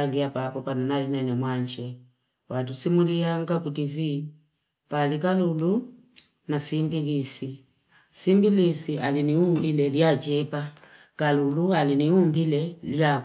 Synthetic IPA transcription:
liapapɔpananalinɛnɛmwaɲd͡ʒɛ | watusimuliaŋɡakutivi | palikalulu | nasimbilisi | simbilisialiniumbilɛljad͡ʒɛpa | kalulualiniumbilɛlja

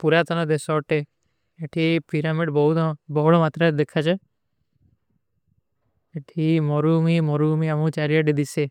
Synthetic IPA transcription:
puɾat̪ɔnɔd̪esɔʈe | eʈʰipiɾamiɖbɔɦut̪bɔɦɭɔmat̪ɾad̪ekʰat͡ʃʰe | eʈʰimɔɾumimɔɾumiamũt͡ʃaɾijaʈid̪ise

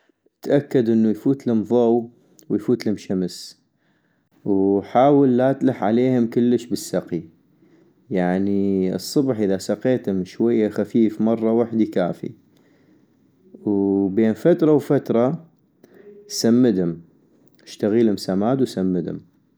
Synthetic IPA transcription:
t̪ʔakːad̪ʔɪnːujfuːt̪lʊmðˤow | wjfuːt̪lhʊmʃams | wħaːwalːat̪laħʕa̰leːhʊmkʊlːəʃbəsːaqi | jaʕniɨ̰sˤːʊbħʔəðasaqeːt̪hʊmʃwajːaxafiːfmɑrˤːɑwaħd̪ikaːfḭ | wbeːnfat̪ɾˤɑwfat̪ɾˤɑ | samːəd̪hʊm | ɪʃt̪aɣiːlhʊmsamaːd̪wsamːəd̪hʊ̰m

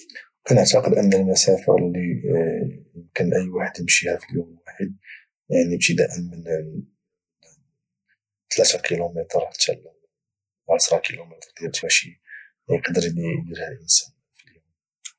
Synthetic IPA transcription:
kænəʕt̪ɑqəd̪ʔənːəlmæsæfə̰ɾlːi | jəmkənʔəjːwaħəd̪jəmʃihæfəljumwaħəd̪̚ | jaʕnibt̪əd̪æʔənmən | t̪læt̪ækʰilumət̪ɾˤt̪ʰælw | ʕasɾˤɑkilumit̪ɾˤd̪jæt̪æʃi | jqd̪əɾlid̪iɾhælʔənsæn | filjum

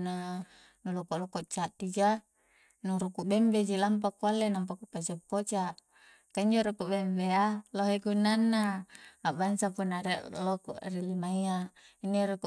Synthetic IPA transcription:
na | nulokolokot͡ʃat̪id͡ʒa | nuɾukubembed͡ʒilamp̬akːualːenamp̬akupasapːot͡ʃaʔ | kaiɲd͡ʒoɾukubembealoɦeɡunːanːaːbansapunaɾeʔloko̰ʔrilimaiaineɾuku

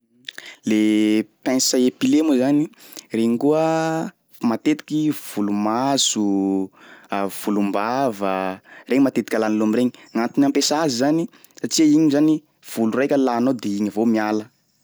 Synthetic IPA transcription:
lepɛ̃nsaepilemuzanireɲiŋkuə | mat̪et̪i̥kiv̥ulumazu | v̥ulumbavəreɲimat̪et̪ikʲalanilomireɲiŋant̪inampesazizani | saʈ͡ʂiaiɲizani | v̥ulurajkʲəlaːnod̪eiɲivomialə

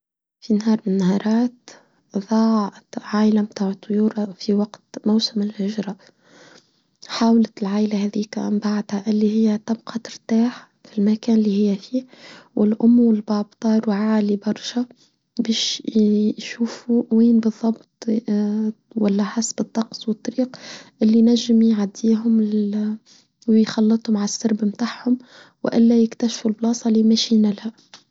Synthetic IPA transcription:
finahɑːɾˤmɪnnːahɑːɾˤɑːt̪ | ðˤɑːʕʕajlamt̪aːʕət̪ˤːʊjuːɾˤfiwɑɡt̪mawsɪmɪlhʊʒɾˤɑ | ħaːwlɪt̪lʕaːlahæːðiːkmbaʕd̪haʔɪlːihɪjːæt̪ɑbqʰɑt̪ɪɾt̪aːħ | filmækæːnɪlːihɪjːæfiːwʔɪlʔʊmːwɪlbæːb̚t̪ˤɑːɾˤwʕaːlibɑɾˤʃa | biːʃ | ʃuːfuwiːnbɨðˤːɑbt̪ˤ | walːaħasːbɨt̪ˤːɑqsˤwɨt̪ˤːɑɾiːqʔɪlːinaʒːɪmjʕad̪ːiːɦʊm | wjxɑlːɨt̪ˤhʊmʕalsːɪɾbmt̪aːħhʊm | w̰ʔɪ̰lːajɪkt̪aʃfulblɑːsˤɑlɪmaʃiːnalha

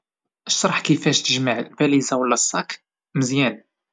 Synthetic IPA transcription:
ʔəʃːɑɾˤħkəfæʃt̪əʒməʕbælizawəlːæsˤːɑk | məzjæn

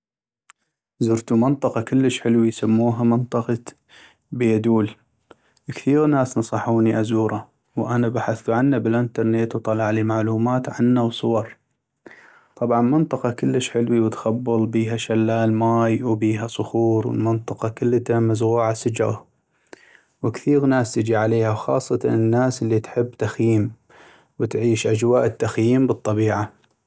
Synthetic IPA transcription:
zʊɾt̪umɪnt̪ˤɑqɑkɪlːəʃħɪlwijsamːuːɦamɪnt̪ˤɑqɑ | bɪjad̪uːl | kθiːɾnaːsnɑsˤɑħuːniʔazuːɾˤɑ | wʔanabaħaθuʕanːabɪlʔɪnt̪ɑɾˤnet̪wt̪ˤɑlɑʕliːmaʕluːmaːt̪ʕa̰nːawsˤʊwɑɾˤ | t̪ˤɑbʕɑnmɪnt̪ˤɑqɑkəlːəʃħɪlwiwɪt̪xabːɨlˤbiːɦaʃalːaːlmaːjwbiːɦasˤʊxuːɾwɪ̰lmɪnt̪ˤɨqɑkɪlːt̪amazɣuːʕasɪd͡ʒɾɑ̰ | wɪkθiːɣnaːst̪ɪd͡ʒiʕaleːhawxɑ̰ːsˤːɑt̪a̰nɪnːaːsɪlːit̪ħɪbːt̪axjiːm | wɪt̪ʕiːʃʔad͡ʒwaːʔɪt̪ːaxjiːmbɨt̪ˤːɑbiːʕa

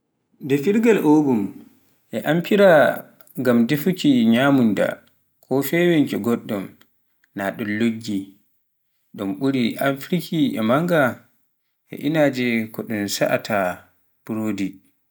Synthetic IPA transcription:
dɛfiɾɡalʔoɡum | ʔɛʔampʰiɾa | ɡamdefukiɲamunda̰ | kʰɔfɛwɛnkɛɡɔɗːɔm | naɗɔnloɡːi | ɗɔmɓuɾiʔafɾikʰiʔɛ̰maŋɡa | ʔɛ̰ʔinaːd͡ʒɛkɔɗunsa̰ʔatʰa | b̥uɾoːdi

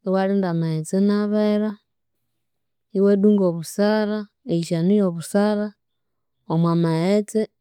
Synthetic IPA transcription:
iwaɾindamahet͡senaβeɾa | iweduːŋɡoβusaɾa | eiʃanujoβusaɾa | omwamahet͡se

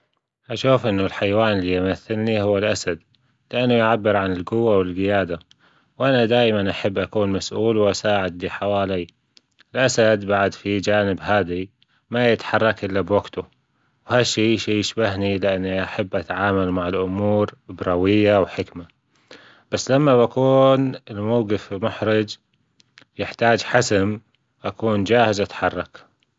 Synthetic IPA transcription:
ʔaʃuːfʔɪnːʊlħajwaːnɪlːiʔamaθːalnihʊwːalʔasad̪ | lɪʔanːʊjʕabːɪɾʕanɪlɡʊwːawɪlɡɪjaːd̪a | wʔanad̪aːjmanʔaħabːʔakuːnmasʔuːlwʔasaːʕɪd̪liħawaːlij | ɪlʔasad̪baʕad̪fid͡ʒaːnɪbhaːði | majɪt̪ħɑrˤːɑkʔɪlːabwaɡt̪ʊ | whaʃːiːʃiːjɪʃbaɦnilɪʔanːiʔaħabːʔat̪ʕaːmalmaʕɪlʔʊmuːɾbɾˤɑwɪjːawħɪkma | b̥asːlamːaβakuːnɪlmawɡɪfɪlmʊħɾɪd͡ʒ | jɪħt̪aːd͡ʒħasam | ʔakuːnd͡ʒaːhɪzʔat̪ħɑrˤːɑk

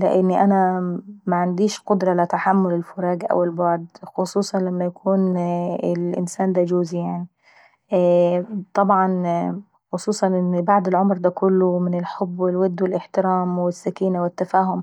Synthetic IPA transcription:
lɪʔɪnːʔænæmaʕand̪iːʃqʊd̪ɾˤɑlɪt̪aħamːʊlɪlfʊɾˤɑːɡʔa̰walbɑʕd̪xʊsˤuːsˤɑnlamːæjakʰuːnɪlʔɪ̰nsæːnd̪æd͡ʒoːzijaʕni | t̪ˤɑbʕɑn | xʊsˤuːsˤɑnʔɪnːbaʕd̪ɪlʕomɾd̪ækʊlːʊmɪnɪlħobːwɪlwɪd̪ːwɪlʔɪħt̪ɪɾæːmwɪsːakiːnawɪt̪ːafæːɦʊm

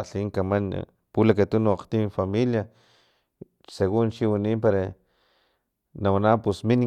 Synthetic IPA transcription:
ɬiŋkaman̰ | pulakat̪unuaqt̪ifamilja | seɣunt͡ʃiwaniːmpaɾa | nawanapusmin

